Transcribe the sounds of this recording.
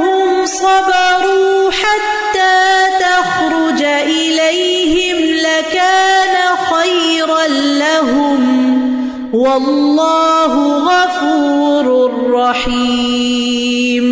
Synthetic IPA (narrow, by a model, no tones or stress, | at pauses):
hʊmsˤɑbɑɾuːħat̪ːaːt̪ax | ɾʊd͡ʒaʔɪlaj | hɪmlakaːnaxaj | ɾɑn | laɦʊm | wɑlːɑːɦʊɣɑfuːɾrˤːɑħiː | m